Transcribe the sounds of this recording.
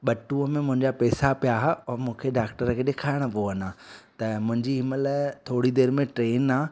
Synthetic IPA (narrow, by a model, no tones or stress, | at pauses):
ɓɐʈũəmẽmʊ̃ɦɪ̃ɲd͡ʑapɛːsapijaɦʊmũːkʰeɖaːkʈəɾkʰeːɗɪkʰaːɪɽ̃ʊpoənaːt̪ɐmʊ̃ɦɪ̃ɲd͡ʑiɦɪməlt̪ʰoːɽid̪eːɾmẽʈɾeːnaː